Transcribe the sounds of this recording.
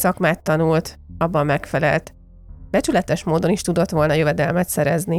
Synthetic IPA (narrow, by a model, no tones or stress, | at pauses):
sɒkmaːt̪ːɒnult̪ɒbːɒmːɛkfɛlɛ̰lt̪ | b̥ɛt͡ʃylɛt̪ɛʃmoːd̪o̞niʃt̪ud̪o̞t̪ʋo̞lnɒjøvɛd̪ɛlmɛt̪sɛɾɛzni